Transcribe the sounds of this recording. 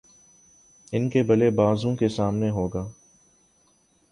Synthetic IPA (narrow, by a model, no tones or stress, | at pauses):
ɪnkebɐlebaːzõkesaːmneɦoːɡaː